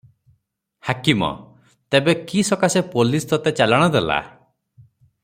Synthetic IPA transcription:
hakimɔ̰ | t̪ebekisɔkasepolist̪ɔt̪et͡ʃalaɽ̃ɔd̪ela̰

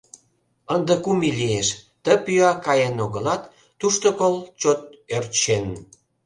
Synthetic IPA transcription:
ənd̪ə̆kumilieʃ | t̪əpyɑkɑjenoɣəlɑt̪ː | uʃt̪okolt͡ɕot̪̚ørt̪ʃen

